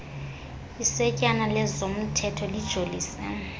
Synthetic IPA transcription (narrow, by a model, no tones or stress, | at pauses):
isɛcʼanalɛzom̩tʰɛtʰɔlid̥ʒ̥ʱoliːsɛ